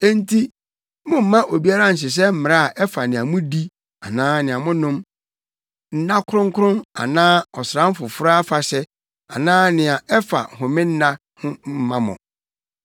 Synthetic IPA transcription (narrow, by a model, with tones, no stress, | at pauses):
e˦n˦tʰi˦ | mʊ̃˦m̩˦mã˦ʔo˨bi˦a˦ɾã˦n̩˨ɕ̬ɪ˨s̬ɛ˦m̩˦mɪ̃˨a˦a˨ʔɛ˦fa˨nɪ̃˨a˨mʊ̃˦di˦ | a˨nãː˦nɪ̃˨a˨mʊ̃˦nʊ̃˦m | n̩˦nã˦kʰʊ˦ɾʊ̃˦ŋ˦kʰʊ˦ɾʊ̃˦na̰˨nãː˦ɔ˨sɾã˦m˦fʊ˨fʊ˦ɾa˦fa˨ɕɛ˦ | a˨nãː˦nɪ̃˨a˨ɛ˦fa̰˨hʊ̃˨mɪ̃˦n̩˦nã˦ | hʊ̃˦m̩˦mã˦mʊ̰̃˨